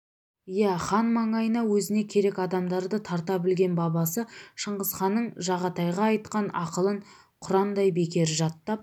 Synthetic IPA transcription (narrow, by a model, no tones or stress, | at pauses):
jæχɑnmɑɴɑjənɑwɵzɪne̞kʲʰe̞ɾe̞kɑd̪ɑmd̪ɑɾd̪ət̪ʰɑɾt̪ɑbɪlɡʲe̞nbɑbɑsəʃəɴʁəzχɑnːəɴʒɑʁɑt̪ɑjʁɑːjt̪̚qɑnɑqəlˠəɴ | qʰʊɾɑnd̪ɑjbe̞kʲe̞ɾɪʒɑt̪ːɑp̚